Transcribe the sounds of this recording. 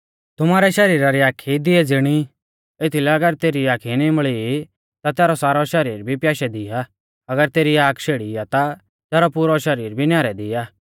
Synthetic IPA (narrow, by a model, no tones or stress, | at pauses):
t̪ʊmaːɾɛʃɐɾiːɾaɾiaːkʰid̪ɪɛd͡zɪɽ̃i | et̪ʰilɛɐɡəɾt̪eːɾiaːkʰinimɭii | t̪at̪ɛːɾɔsaːɾɔʃɐɾiːɾbʱipjaːʃɛd̪ɪa | ɐɡəɾt̪eːɾiaːkʰʃʰeːɽijat̪a | t̪ɛːɾɔpuːɾɔʃɐɾiːɾbʱinjaːɾɛd̪ɪjaː